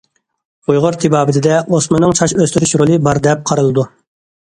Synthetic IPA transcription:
ujʁʊɾt̪ʰibɑːbɪt̪ʰɪd̪ɛosmɨnːɨŋt͡ʃʰɑʃøst̪yɾyʃɾolˠɨbɑɾd̪ɛp̚qʰɑɾɨlˠɨd̪u

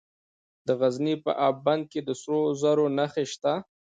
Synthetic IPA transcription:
d̪əɣaznipə̰ʔabband̪̚ked̪əsɾozaɾonaxeʃt̪a

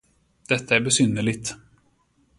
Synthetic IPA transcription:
d̪̥ɛt̪ʰːaæɾbɛsʏnːəɭɪɡt̪

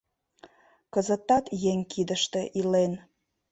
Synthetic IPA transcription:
kəzə̆t̪ːɑt̪jeŋʲkʰid̪əʃt̪ĕʔilen

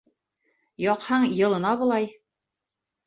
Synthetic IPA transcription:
jɒqhɑɴjɤ̆lˠɤ̆nɑbŏlˠɑj

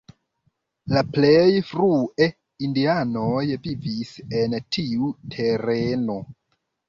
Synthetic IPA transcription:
laplejfɾue̞ | indianojvivise̞ntʰiutʰe̞ɾeno̞

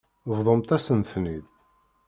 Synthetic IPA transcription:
vðˤəmt̪æsənθnið

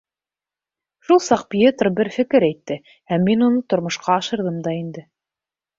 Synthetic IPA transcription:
ʃulˠsɑq̚pʲjet̪rbɘɾfɘ̆kɘɾæjt̪ːɘ | hæmːinunɤt̪ŏɾmŏʃqɑːʃɤ̆ɾðɤmd̪ɑind̪ɘ

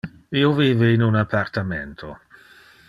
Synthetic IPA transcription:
ioviːveːnunapʰart̪ament̪ʰo

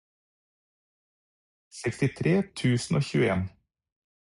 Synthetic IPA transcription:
sɛkst̪ɪt̪ʰɾeːt̪ʰʉːsn̩oːçʉ̰ːəeːn

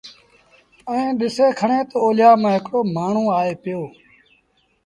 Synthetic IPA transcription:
əẽːɗɪseːkʰəɳẽːt̪oːoːljaːmãːɦɪkɽoːmaːɳ̤ũːaːeːpɪjoː

